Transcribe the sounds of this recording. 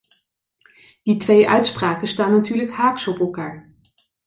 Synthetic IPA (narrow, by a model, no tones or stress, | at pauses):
d̥itʋejʔœ̰ɥtspraːkəstaːnatyːɹləkɦhaːksɔpɛlˠkaːɹ